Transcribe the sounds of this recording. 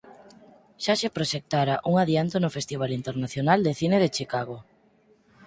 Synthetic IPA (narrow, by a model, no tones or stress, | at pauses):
ʃaʃepɾoʃek̚t̪aɾaʔuŋaðjant̪onʊfest̪iβ̞alint̪eɾnaθjonald̪eθineð̞et͡ʃikaɣ̞o